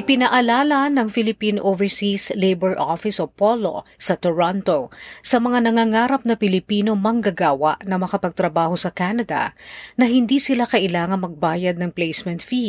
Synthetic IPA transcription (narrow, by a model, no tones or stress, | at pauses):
ʔɪpɪnɐʔɐlaːlɐnɐŋfɪlɪpinoʔovɛɹsislejbɛɹʔofɪsopolo̞̰sɐt̪oɹont̪osɐmɐŋanɐŋaːŋaːɾɐp̚nɐpɪlɪpiːno̞mɐŋɡɐɡaːwɐ̰ʔnɐmɐkɐpɐɡ̚t̪ɾɐbaːho̞sɐkanɐd̪ɐ̰nɐɦɪnd̪iːsɪlakɐʔɪlaːŋɐnmɐɡ̚baːjɐd̪̚nɐŋplejsmɛnt̪fi